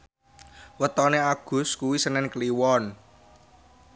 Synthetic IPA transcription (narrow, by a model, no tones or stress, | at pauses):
wət̪ɔneaɡ̥ʊ̤skuwisənɛnkliwɔn